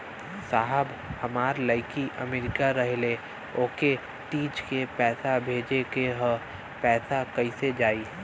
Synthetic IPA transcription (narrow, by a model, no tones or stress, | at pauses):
saːɦəb | həmaːɾlaːɪkiʔəmeːɾɪkaɾəɦle | oːke | ʈiːd͡ʒkepɛːsabʱeːd͡ʒekeɦə̃ | pɛːsakəised͡ʒaːiː